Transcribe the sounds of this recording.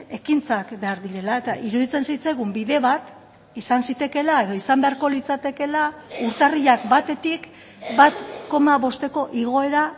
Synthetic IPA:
e̞kint͡sakbe̞aɾðiɾe̞lae̞t̪aʔiɾuðit͡se̞nsajt͡sajɣumbiðe̞βat̪ | isansit̪e̞ke̞lae̞ðo̞isambe̞aɾko̞lit͡sat̪e̞ke̞lauɾt̪ariʎakbat̪e̞t̪ik | bat̪ko̞maβo̞st̪e̞ko̞ʔiɣ̞o̞e̞ɾa

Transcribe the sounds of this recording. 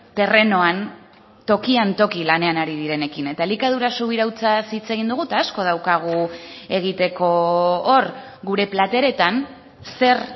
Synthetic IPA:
t̪e̞re̞no̞an | t̪o̞kiant̪o̞kilane̞anaɾið̞iɾe̞ne̞kine̞t̪alikað̞uɾasuβiɾawt͡sasit͡se̞ɣind̪uɣ̞ut̪aːsko̞ð̞awkaɣ̞ue̞ɣ̞it̪e̞ko̞oɾ | ɡuɾe̞plat̪e̞ɾe̞t̪an | se̞r

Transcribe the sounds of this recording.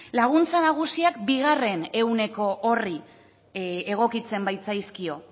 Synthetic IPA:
laɣ̞unt͡sanaɣ̞usiakbiɣ̞are̞ne̞wne̞ko̞ʔori | e̞ɣ̞o̞kit͡se̞mbajt͡sajskio̞

